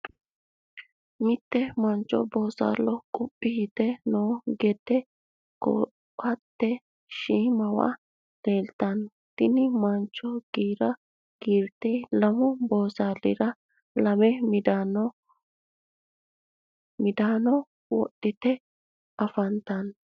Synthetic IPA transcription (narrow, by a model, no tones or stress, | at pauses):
mɪt̪ːɛmɐnt͡ʃːɔ̰boːsa̰ːlːɔkʼʊpʼːɪhɪt̪ɛnoːɡɛt̪ːɛ | kɔ̰ | ɐt̪ːɛ | ʃiːmɐwɐ̰ | d̪̥eːlt̪ɐn | t̪ɪnɪmɐnt͡ʃːɔɡ̥iːɾɐ | ɡ̥iːɾt̪ːelɐmɔboːsaːlɪɾɐ | lɐmɛmɪd̪an | mɪd̪aːnɔ | wɔ̰ɗːɪt̪ɛ | ɐfɐnt̪ɐn